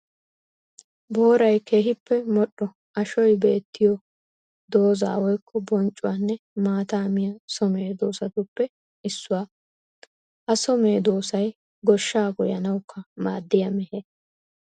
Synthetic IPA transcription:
bo̞ːɾɐjke̞ːɦɪpːɛmɔɗːɔ | ɐʃɔjbe̞ːt̪ʰːɪjɔ | d̪o̞ːza̰ːwɔjkʰːɔbɔnt͡ʃʼʊwaːnːɛmaːt̪aːmɪjɐsɔme̞ːd̪o̞ːsɐt̪ʊpːɛ | ɪsːʊwaː | hɐsɔme̞ːd̪oːsɐj | ɡɔʃːaːɡɔjɐnɐwkːɐmaːd̪ːɪjɐmɛheː

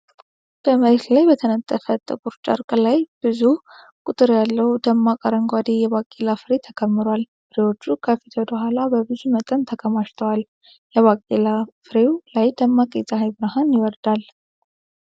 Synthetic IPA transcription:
b̥əməɾet̪lajbət̪ʰənət̪ʼːəfət̪ʼɨkʼuɾt͡ʃʼə̰ɾkʼlajb̥ɨzu | kʼut̪ʼɨɾjalːəd̪əmːakʼəɾəŋɡʷad̪ejɛβakʼːelafɨɾe̞t̪ʰəkʰəmːɨɾwal | fɨɾewo̞t͡ʃːukʰəfit̪ʰəd̪əɦʷalabəbɨzumət̪ʼənt̪ʰəkʰəmaʃt̪ʰəwal | jɛβakʼːelafɨɾewlajd̪əmːakʼezʼaɦajbɨɾaɦanjɪwɔɾd̪al

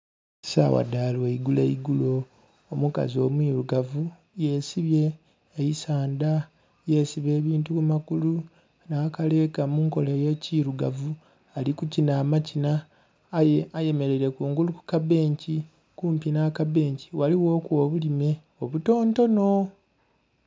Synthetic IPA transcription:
sa̰wa̰daːleiɡulḛiɡulo̞ː | omuka̰zio̞̰ːmwiːɾuɡavu | je̞siβje̞ː | jisaːnda | je̞siβe̞ːβiːntukumakulu | naːkale̞ːkamuːŋko̞leje̞ːciːɾuɡavu | alikucinaːmacina | aje̞me̞ɾe̞ɾe̞kuːŋɡuluku̥kaβe̞ːɲci | kuːmpinaːkabe̞ːɲci̥waliwo̞ːkwo̞ːβulime̞ | oβuto̞ːnto̞no̞

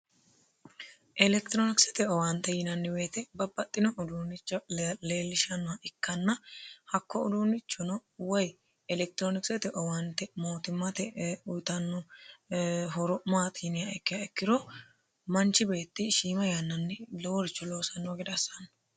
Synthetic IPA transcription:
ʔɛlɛkt̪ɾoːnɪksɛt̪ɛɔwant̪ːɛjɪnɐnːɪwe̞ːt̪ɛbɐbːɐt̪ʼːɪnɔʊd̪uːnɪt͡ʃːɐle̞ːlːɪʃɐnːɔɐʔɪkːɐnːɐhɐkːɔʊ̰d̪uːnɪt͡ʃːɔnɔwɔj | ɛlɛk̚t̪ɾoːnɪksɛt̪ɛʔɔwant̪ːɛmo̞ːt̪ɪmːɐt̪ɛʊjt̪ɐnːɔ | ɦɔɾɔmaːt̪ɪɪnɪjaɛkːɪjɐɛkːɪɾɔ | mɐnt͡ʃːɪbe̞ːt̪ːɪʃiːmɐjɐnːɐnːɪlɔwɔɾɪt͡ʃːɔlo̞ːsɐnːɔɡɛd̪ɐsɐnːɐ̥

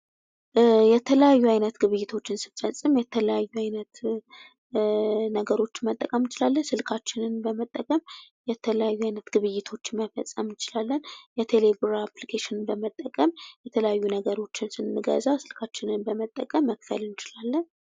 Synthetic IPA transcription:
jɛt̪ʰələjajːuajnət̪ɡɨβɨjːɪt̪ʰo̞t͡ʃːɪnsɨfəsʼːɨmjɛt̪ʰələjajːuajnət̪ | nəɡəɾo̞t͡ʃːɪnmət̪ʼːəkʼəmt͡ʃɪlalːənsɨlkʰat͡ʃːɪnɨnbəmət̪ʼːəkʼəmjɛt̪ʰələjajːuajnət̪ɡ̥ɨβɨjːɪt̪ʰo̞t͡ʃːɪnməfə̰sʼəmnt͡ʃɪlalːənjɛt̪ʰelebuɾaplikʰeʃɪnɨnbəmət̪ʼːəkʼəmjɛt̪ʰələjajːunəɡəɾo̞t͡ʃːɪnsɨnːɨɡə̰zawsɨlkʰat͡ʃːɪnɨnbəmət̪ʼːəkʼəmːəkfə̰lɨnɪt͡ʃɪlalːən

